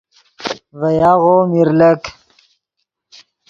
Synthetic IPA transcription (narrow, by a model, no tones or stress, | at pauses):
vɐjaɣomiɾlək